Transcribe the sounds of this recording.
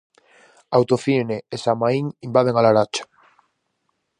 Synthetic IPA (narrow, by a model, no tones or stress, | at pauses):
awt̪ofineesamaiŋimbað̞eŋalaɾat͡ʃḁ